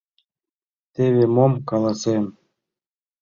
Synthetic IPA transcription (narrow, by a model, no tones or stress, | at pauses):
t̪eβʲemomkɑlˠɑsem